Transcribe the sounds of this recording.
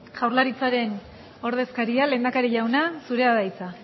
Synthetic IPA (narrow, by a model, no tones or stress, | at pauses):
ʝawɾlaɾit͡saɾe̞n | o̞ɾð̞e̞skaɾiale̞ːnd̪akaɾiʎawnasuɾe̞aðajt͡sa